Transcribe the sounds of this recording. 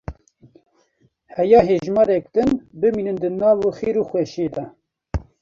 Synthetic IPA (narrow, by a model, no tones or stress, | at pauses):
hɛjɑːɦeːʒmɑːɾɛk̚d̪ɨnbɨmiːnɨnd̪ɨnɑːvuxeːɾuːxwɛʃeːd̪ɑ